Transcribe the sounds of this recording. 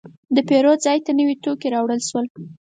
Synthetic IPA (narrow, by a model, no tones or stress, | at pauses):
d̪əpeɾozɑjt̪anəwet̪okeɾɑwɽəlʃwəl